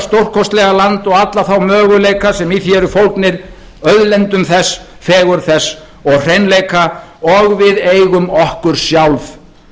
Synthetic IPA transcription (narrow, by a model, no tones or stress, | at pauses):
st̪owr̥kʰɔst̪lɛɣalant̪ɔɣat̪laθawmœːɣʏlejkasɛmiθjɛːɾʏfowlknɪɾ | œðlɛnt̪ʏmθɛsfɛːɣʏɾθɛsː | ɔɣr̥ejnlejkʰaɔɣvɪðeːjɣʏmɔhkʏɾ̥sjawlv